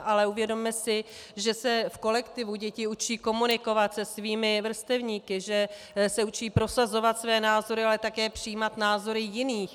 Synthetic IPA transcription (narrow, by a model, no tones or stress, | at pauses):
ʔalɛuvjɛdo̞mːɛsɪʒɛsɛfko̞lɛkt̪ɪvuɟɛcɪut͡ʃiːko̞munɪko̞vat̪sɛsviːmɪvr̩st̪ɛvɲiːkɪʒɛ | sɛut͡ʃiːpɾo̞sazo̞vat̪svɛːnaːzo̞ɾɪalɛt̪akɛːpr̥ɪjiːmat̪naːzo̞ɾɪjɪniːx